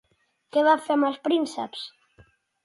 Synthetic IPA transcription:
keβafeɾmaspɾinseps

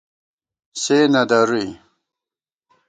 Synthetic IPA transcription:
seːnɐd̪ɐɾuj

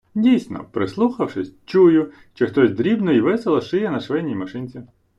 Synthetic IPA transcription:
dʲijsʲnɔ̰pɾɪslˠuxɐwʂɪsʲt͡ʃujʊ | ʃt͡ʃɛxt̪ɔsʲd̪ɾʲibnɔiʋɛselˠɔʃɪjɛnɐʃʋɛnʲijmɐʃɪnʲt͡sʲi

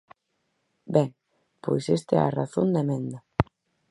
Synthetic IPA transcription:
bɛŋ | pojsest̪eɛ̰araθond̪emẽnd̪a

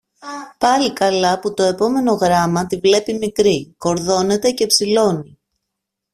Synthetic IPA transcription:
pɐlikɐlɐput̪o̞e̞po̞me̞no̞ɣɾɐmɐt̪ivle̞pimikɾiko̞ɾðo̞ne̞t̪e̞ce̞psilo̞ni

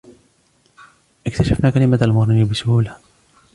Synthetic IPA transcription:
ʔɪkt̪aʃafnaːkalɪmaalmʊɣɾɪnibɪsʊhuːla

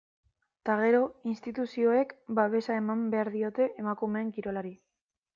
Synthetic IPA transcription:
t̪aɣ̞e̞ɾo̞inst̪it̪usio̞e̞kbaβ̞e̞sae̞mambe̞aɾðio̞t̪e̞ʔemakume̞ːŋkiɾo̞laɾi

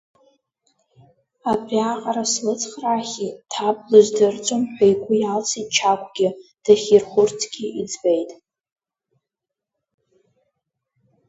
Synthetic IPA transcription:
apʰʼaqʼɾaslɨt͡sʰʼχraχʲitʰablɨʒʷdɨrt͡sʷʼomħʷᶣajɡʷʼʊjalt͡sʰit̚ʼt͡ʃʰakʷʰʼɡʲɪd̥aχʲirχʷʊrtʰɡ̥ʲɪid͡zbejtʼ

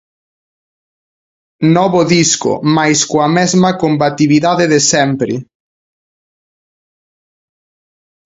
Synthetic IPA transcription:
nɔβoðisko̰majskoamɛzmakombat̪iβiðaðeðesɛmpɾi

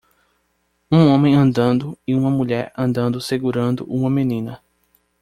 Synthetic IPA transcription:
ũõmẽj̃ɐ̃nd̪ɐ̃nd̪ʊɪũmɐmuʎɛɾɐ̃nd̪ɐ̃nd̪ʊseɡuɾɐ̃nd̪ʊ̰ʔũmɐmenĩnɐ

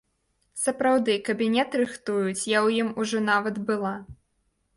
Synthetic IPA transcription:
sɐpɾawd̪ɨkɐbʲinʲɛt̪ɾɨxt̪ujut͡sʲjawjimuʐɔnavɐd̪bɨlˠa

